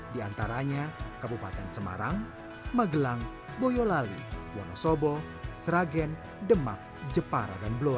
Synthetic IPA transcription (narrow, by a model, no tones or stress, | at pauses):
diant̪aɾaɲakabupat̪ɛnsəma̰ɾaŋ | maɡəlaŋ | bojɔlalḭwɔ̰nɔsɔbɔ | sɾaɡɛn | dəma̰k̚d͡ʒəpaɾa̰danblo